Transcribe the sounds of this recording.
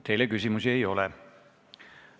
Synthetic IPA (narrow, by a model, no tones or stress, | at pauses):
t̪ːe̞jlekys̬ʲimusiejo̞lɛ̰